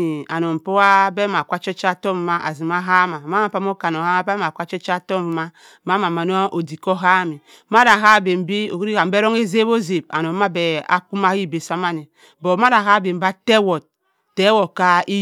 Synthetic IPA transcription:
i˨a˨no˨m̩˨po˦wa˦be˦ma˨kʷa˦t͡ʃɔ˦t͡ʃa˦to˦m˨ma˦ʔa̰˨zi˨ma˦ɦa˦ma˨ma˦m˨pa˦m˦o˦ka˨n˨o˨ha˦a˦be˦ma˨kʷa˦t͡ʃɔ˦t͡ʃa˦to˦m˨ma˦ | ma˦ma˨ma˨n˦ʔo˨di˨ko˦ɦa˦mi˨˦ | ma˦da˨ɦa˦˨be˨m̩˨bi˦o̰˨ki˦ɾi˦a˨m̩˦e˦ɾo˦ŋe˦ze˦bo˦ze˨ba̰˨no˨˦ma˦be˨a̰˦ku˦ma˦hi˦˨be˨sa˦ma˦ni˨ | bo˨˦ma˦ɾa˨ɦa˦˨be˨m̩˦ba˦te˦wo˨t̚ | te˦wo˨ka˦i˦

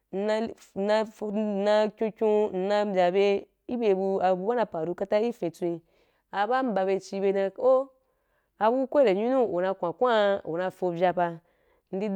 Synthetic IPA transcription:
n̩˧na˧˨ | na˧na˧kʲũ˧kʲũ˧n̩˨na˧˦bʲa˨be˧ | i˦be˧bu˧a˧bu˧˦ba˦na˧pa˨ɾu˧˦ka˦ta˦i˦fẽ˧t͡sʷi˧ | a˧ba˦m̩˦ba˧be˧t͡ʃi˧be˧nã˧o˦ | a˧bu˦u˦kʷe˦ɾe˨ɲu˦nũ˦o˨na˧kʷã˨kʷa˦o˨na˧fo˧vʲja˧ba˧ | n̩˦di˧

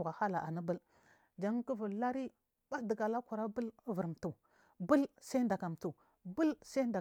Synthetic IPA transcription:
ɣa˨ha˦la˨ʔa˨ni˦bə˦l | d͡ʒa˦ŋ˦kə˦və˨lla˦ɾi˦ | ba˦də˨ɡa˨la˦kʷu˨ɾa˦bə˦lvə˨ɾm˨tu˨ | bə˦lsa˦i˦nda˨ka˨m˨tu˨ | bə˦lsa˦nda˨

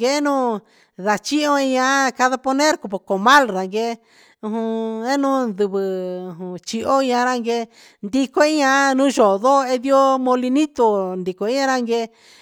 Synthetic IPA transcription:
ɡe˧˦nũː˦ | ða˨t͡ʃi˦õ˦˧i˧ɲã˧ka˧ða˧po˧nẽ˦ɾko˧po˨ko˨mã˦lɾa˨ŋɡe˧˦ | ũ˧ɦũ˧e˦nũ˦nd̪u˧βɨ˧ũ˧ɦũ˧t͡ʃi˧ʔo˦i˧ɲã˧ɾa˦˧ŋɡe˧ | nd̪i˧ko˦i˦ɲã˧nũ˦ʒo˨˧ðo˦˧e˧ði˦o˦mõ˧li˧nĩ˦t̪o˧nd̪i˨ko˨i˦ɲã˧ɾa˦ŋɡe˧

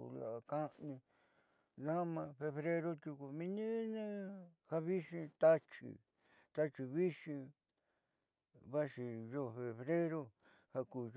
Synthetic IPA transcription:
la̰˨˧kã˦nĩ˧ | nã˦mã˧fe˧βɾe˦ɾo˦t̪u˧ku˧mĩ˧nĩ˦nẽ˦ha˧βi˦ʂĩ˧t̪a˦t͡ʃḭ˨ | t̪a˦t͡ʃi˧βi˦ʃĩ˧ | βa˦ʂi˧jo˦˧˨fe˧βɾe˦ɾo˧ | ha˧kuː˨

